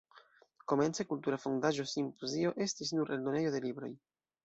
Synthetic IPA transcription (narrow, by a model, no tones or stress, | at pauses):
ko̞me̞nt͡se̞kultuɾafondaʒo̞simpozio̞ʔe̞stisnuɾʔe̞ldo̞ne̞jo̞de̞libɾo̞̰j